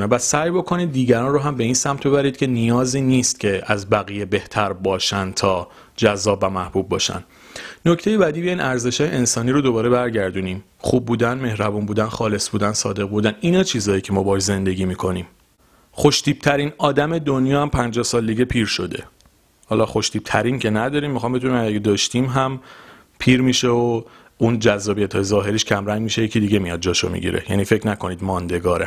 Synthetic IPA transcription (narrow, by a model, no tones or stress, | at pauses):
nebæsæjbo̞kʰo̞niːd̪̚ːiːɟæɾɒːnroɦæmbe̞iːnsæmt̪ʰbe̞bæɾiːd̪̚cʰe̞nijɒːziːniːst̪̚cʰe̞æzbæɣijebe̞ht̪ʰæɾbɒːʃænt̪ʰɒː | d͡ʒæzːɒːbvæmæhb̥ub̚ːɒːʃæ̰nː | o̞ct̪ʰe̞jebæd̪iːbeiːnʔæɾze̞ʃɒːjeensɒːniːɾod̪o̞bɒːɾe̞bæɾɟæɾd̪uniːm | χuːb̚ːuːd̪ænme̞hɾæbuːnbuːd̪ænxɒːle̞sbuːd̪ænsɒːd̪e̞ɣbuːd̪æniːnɒːt͡ʃʰiːzɒːjicʰemɒːbɒʃze̞nd̪e̞ɟiːmiːkʰo̞niːm | χo̞ʃt̪ʰiːb̥̚t̪ʰæɾinɒːd̪æme̞d̪onjɒːæmpʰænd͡ʒɒhsɒːld̪iɟe̞pʰiːɾʃo̞d̪e̞̰ | hɒːlɒxoʃt̪iːb̚t̪ʰæɾincʰe̞næd̪ɒːɾiːmːixɒːmbe̞d̪unimæɡed̪ɒːʃt̪imɦæm | pʰiːɾmiʃeo | und͡ʒæzːɒːbijæt̪ʰɒːjezɒːɦe̞ɾiːʃcʰæmɾæŋɟmiʃejecʰid̪iɟe̞mijɒd̪̚d͡ʒɒːʃo̰mḭɟḭɾḛjæ̰niːfecʰnækʰo̞niːd̪mɒːnd̪e̞ɡɒːɾe